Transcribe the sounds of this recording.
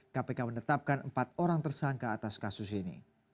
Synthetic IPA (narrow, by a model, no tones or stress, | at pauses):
kapekaməndət̪ap̚kanʔəmpat̪̚oɾaŋt̪ərsaŋkaːt̪askasʊsinḭ